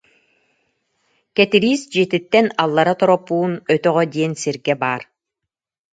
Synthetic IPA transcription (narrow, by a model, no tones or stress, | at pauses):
kɛt̪iɾiːsd͡ʒit̪it̪ːɛnalˠːaɾat̪ɔɾɔpːuːnœt̪œʁœd̪iɛnsiɾɡɛbaːɾ